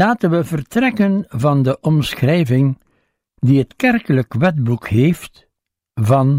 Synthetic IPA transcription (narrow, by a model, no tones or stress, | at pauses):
laːtənʋəvərtrɛkənvɑndəʔɔmsxrɛjvɪŋ | diɦətkɛrkələkʋɛdbukɦeːft | vɑn